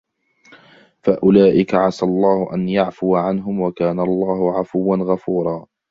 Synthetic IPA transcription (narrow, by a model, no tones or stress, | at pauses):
faʔʊlaːʔɪkaʕasalˤːɑːhʊʔanjaʕfʊwaʕanɦʊmwakaːnalˤːɑːhʊʕafʊwːanɣafuːɾˤɑː